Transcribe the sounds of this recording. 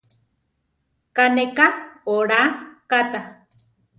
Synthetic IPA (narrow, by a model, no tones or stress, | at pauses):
kanekaoɾakat̪a